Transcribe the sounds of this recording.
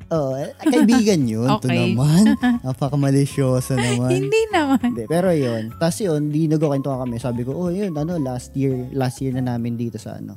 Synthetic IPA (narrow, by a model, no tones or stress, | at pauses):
ʔoːʔokɐʔɪbiːɡɐnjonːt̪oɐmanʔɐŋpɐkɐmɐlɪʃjoːsɐnɐmaɪnd̪inɐmand̪ɛpɛːɾo̞jont̪ɐsjond̪inɐɡoːkɪnt̪ʊkɐkɐmɛsaːbɪko̞ʔojonʔɐno̞last̪jiɹlast̪jiːɹnɐnaːmɪnd̪iːt̪o̞sɐ̰ʔɐ̰no̞̰